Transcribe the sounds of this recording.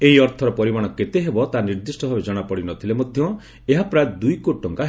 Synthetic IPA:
eɦiɔɾt̪ʰɔɾɔpɔɾimaɽ̃ɔket̪eɦebɔt̪aniɾd̪isʈɔbʱabed͡ʒɔɽ̃apɔɽinɔt̪ʰilemɔd̪ʱjɔ | eɦapɾajed̪ujkoʈːɔŋkaɦ

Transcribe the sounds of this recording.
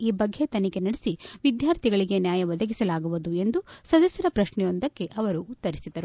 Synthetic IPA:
iːbɐɡʱːe̞t̪ɐnike̞nɐɽesiʋid̪jaːɾt̪ʰiɡɐɭiɡe̞njaːjɐʋɐd̪ʱɐɡisɐlaːɡuʋud̪ue̞nd̪usɐd̪ɐsjɐɾɐpɾɐʃɳɛjo̞nd̪ɐkːe̞ʔɐʋɐɾuːt̪ːɐɾisid̪ɐɾu

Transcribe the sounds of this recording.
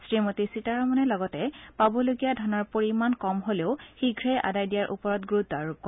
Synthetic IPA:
sɹimotisitaɹɔmɔnɛlɔɡɔtɛpabɔloɡijadʱɔnɔɹpoɹimankɔmɦoleʊxiɡʱɹɛjʔa̰dajdijaɹʔṵpɔɹɔtɡɹuaɹukːɔ

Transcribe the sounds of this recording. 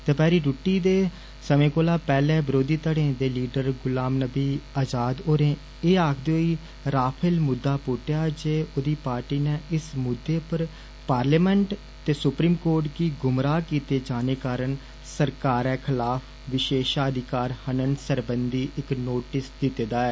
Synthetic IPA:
t̪eːpɛːɾiːɾuʈːiːd̪eː | səmẽːkoːlaːpɛːlɛ̃ːbəɾoːd̪iːt̪əɽẽːd̪eːliːɖəɾɡʊlaːmnəbiːaːd͡ʒaːd̪oːɾẽː | eːaːkʰd̪eoːiː | ɾaːpʰəlmʊd̪ːaːpoːʈjaːd͡ʒeːʔod̪iːpaːɾʈiːnẽːɪsmʊd̪ːeːpəɾ | paːɾleːmɛ̃ɳʈ | t̪eːsʊpɾiːmkoːɾʈkiːɡʊmɾaːkiːt̪eːd͡ʒaːneːkaːɾəɳ | səɾkaːɾɛːkʰɪlaːpʰ | ʋɪʃeːʃaːəd̪ɪkaːɾhənənsəɾbənd̪iːʔɪknoːʈɪsd̪ɪt̪eːd̪aːɛː

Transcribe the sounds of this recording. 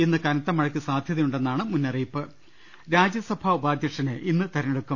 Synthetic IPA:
inːɨkɐnɐt̪ːɐmɐɻɐkʲːisaːd̪ʱjɐðɐjuɳɖe̞nːaːɳɨmunːɐriːpːɨ | ɾaːd͡ʑjɐsɐbʱaːubaːd̪ʱjɐkʂɐneʔinːɨt̪ɐɾɐneɽukːum

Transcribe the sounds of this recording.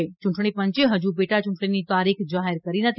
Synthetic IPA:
et͡ʃʊ̃ɳʈɳ̃ipəɲt͡ʃeɦəd͡ʒubeʈat͡ʃũɳʈɽ̃init̪aɾikʰd͡ʒaɦeɾkəɾinət̪

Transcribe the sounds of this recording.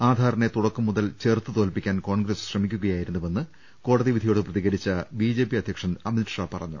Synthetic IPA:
aːd̪ʱaːɾɐne̞t̪uɽɐkːumːuðɐlt͡ɕe̞ːrt̪ːɨt̪oːlpikʲːaːnko̞ːɳɡɾɐsɕrɐmikʲːuɣɐjaːjiɾunːuʋe̞nːɨ | ko̞ːɽɐðiʋid̪ʱijo̞ːɽɨprɐðiɣɐɾit͡ɕːɐbiːd͡ʑe̞ːpiɐd̪ʱjɐkʂɐnɐminʈʂaːpɐrɐɲːṵ

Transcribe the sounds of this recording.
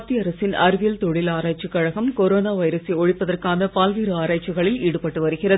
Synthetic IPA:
t̪iɐɾɐsɪnɐɾɯʋilt̪ɔɻɪlaːɾaːt͡ʃːɯkːɐɻɐɣɐmkɔɾoːnaːʋɐɪɾɐseɔɻɪpːɐðɐrkaːnɐpaːlʋiːɾɯaːɾaːt͡ʃːiɣɐɭɪliːɽɯpɐʈːɯʋɐɾɯɣɪrɐ

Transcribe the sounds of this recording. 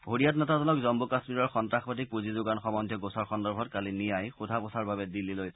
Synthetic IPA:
ɦoɹijat̬nɛtazɔnɔkzɔmbukasmiɹɔɹxɔntɹaxpatik̚puzizʊɡanxɔmɔndʱjɔɡosaɹxɔndɔɹbʱɔtkalinijajxudʱaposaɹbabɛdilːiloj

